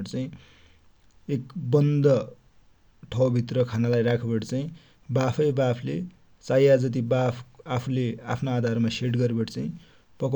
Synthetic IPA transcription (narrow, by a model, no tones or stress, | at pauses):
ʈt͡saĩ | ekbʌnd̪ʌ | ʈʰʌwbʱit̪rʌkʰanalajrakʰebʌʈt͡saĩ | bapʰʌjbapʰle | t͡sajad͡zʌt̪̬ibapʰapʰulea̰pʰnoad̪ʱarmaseʈɡʌɾebʌʈt͡saĩ | pʌk